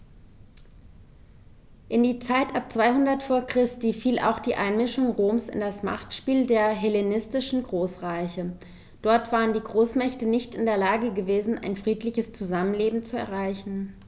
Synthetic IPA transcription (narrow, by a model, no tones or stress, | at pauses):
ʔɪndiːt͡saɪtʔap̚t͡sv̥aɪhʊndɐtfoːɐkʁ̥ɪstiːfiːlʔa̰ʊxd̥iːʔaɪnmɪʃʊŋʁoːmsɪ̰ndasma̰χtʃpiːldeːɐɦɛlenɪstɪʃn̩ɡʁoːsʁ̥aɪçə | d̥ɔɐtv̥aːʁəndiːɡʁoːsmɛçtənɪçtɪndeːɐlaːɡəɡəveːzn̩a̰ɪnfʁ̥iːtlɪçəst͡suzamənleːbm̩t͡suɛ̰ɐʁ̞aɪçn̩